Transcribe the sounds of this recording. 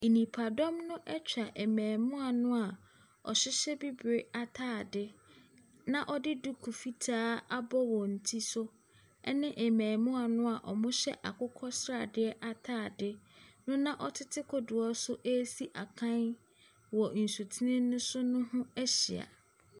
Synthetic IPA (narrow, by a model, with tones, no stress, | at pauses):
e˨nĩ˨pʰa˨dɔ̃˦mnʊ̃˦ʔɛ˦t͡ɕᶣa˨ʔɛ˨mæ̃ː˨mʊ̃˦a˨nʊ̃˦a˨ | ɔ̰˨ɕɪ˦ɕɛ˦bi˦bɾe˦a˦tʰaː˦˨dɪ˦ | nã˨ʔɔ˦dɪ˦du˦kʰu˨fi˦tʰaː˦a˦bɔ˦wɔ˨n̩˨tʰi˦sʊ˦ | ɛ˦nɪ̃˦ʔɛ˨mæ̃ː˨mʊ̃˦a˨nʊ̃˦a˨ʔɔ˨mʊ̃˦ɕɛ̰˦ʔa̰˨kʰʊ˦kʰɔ˦sɾa˨dɪ˦ɛ˦ʔa˦tʰaː˦˨dɪ˦nʊ̃˦nã˦ʔɔ˦tʰɪ˦tʰɪ˦kʰɔ˨du˨ɔ˦sʊ˦ʔe˦si˦ʔa˨kʰã˦n | wɔ˨n̩˨su˨tʰi˦nɪ̃˦nʊ̃˦sʊ˦nʊ̃˦hʊ̃˦æ˦ɕɪ˨a̰˨